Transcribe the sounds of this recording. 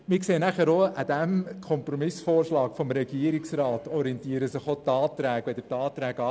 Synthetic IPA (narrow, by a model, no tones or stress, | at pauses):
mɪkseːnæχəɾoʔad̥̪æmkʰɔmpɾɔmɪsfoːrʃlɑːkfɔmɾɛɡ̥iəɾiksrɑːtɔɾiɛntiːəɾəsɪχot̪ɑːtɾæːɡ̥ʋɛd̪ətɑːt̪ɾæːɡɑ